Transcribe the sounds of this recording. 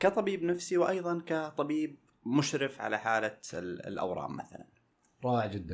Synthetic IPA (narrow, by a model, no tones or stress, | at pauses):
kat̪ˤɑbiːbnafsiwʔɑjðˤɑnkat̪ˤɑbiːb̚ | mʊʃɾɪfʕa̰laħaːlalʔa̰wɾˤɑ̰ːmːa̰θa̰la̰n | ɾˤɑːʕd͡ʒɪd̪ːan